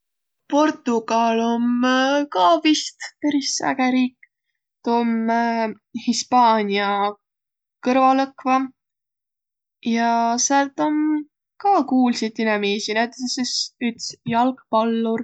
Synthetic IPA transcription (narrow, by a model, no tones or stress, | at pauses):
po̞rt̪ˑuɡ̥ɑlo̞mkɑːvist̪peɾisːæ̰ɡ̥eɾiːkː | t̪om | hispɑːnʲiɑ | kɤɾvɑlɤkvɑ | jɑseɑlt̪o̞m | kɑːkuːlsid̪inɛmiːsinæjt̪ːˑesesyt̪sjɑlkpɑlːur